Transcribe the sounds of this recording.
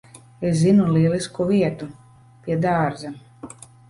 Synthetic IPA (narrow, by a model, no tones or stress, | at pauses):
eszinuliɛliskuviɛt̪u | pʲiɛd̪aːɾzɛm